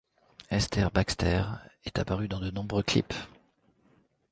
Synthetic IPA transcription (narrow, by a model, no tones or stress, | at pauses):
ɛst̪ɛʁbakst̪ɛ̰ʁɛt̪apaʁyd̪ɑ̃d̪ənɔ̃bʁøklḭp